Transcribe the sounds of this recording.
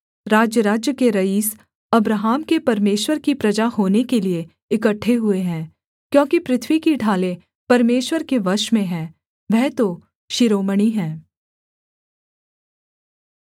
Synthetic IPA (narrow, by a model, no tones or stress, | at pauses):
ɾaːd͡ʒjəɾaːd͡ʒjəkeɾɐiːs | ɐbɾaɦaːmkepɐɾmeːʃwəɾkipɾɐd͡ʒaɦoːnekelie | ɪkəʈʰːeɦʊeɦɛ̃ː | kjõːkipɾɪt̪ʰʋikiɖʱaːle | pɐɾmeːʃwəɾkeʋɐʃmẽɦɛ̃ː | ʋɛɦt̪o | ʃɪɾoːməɽ̃iɦɛ̃ː